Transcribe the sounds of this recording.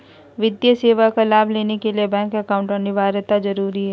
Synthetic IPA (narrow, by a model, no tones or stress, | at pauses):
ʋɪd̪jəseːʋakalaːbleːnekelijebɛ̃ːŋkɐkaːʊ̃ɳʈɔnɪʋaːɾət̪ad͡ʒɐɾuːɾiɦɛː